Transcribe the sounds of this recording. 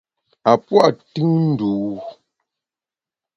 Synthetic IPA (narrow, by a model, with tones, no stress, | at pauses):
a˨pwa˦˨ʔtɯ˦ŋn̩˦duː˨˦